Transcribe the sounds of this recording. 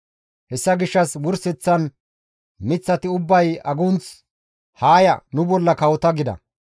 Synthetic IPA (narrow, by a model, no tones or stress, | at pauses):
hɛsːɐɡɪʃːɐswʊɾsɛt͡sːɐn | mɪt͡sːɐt̪ɪʊbːɐjɐɡʊnt͡s | haːjɐnʊbɔlːɐkɐwɔt̪ɐɡɪd̪ɐ̰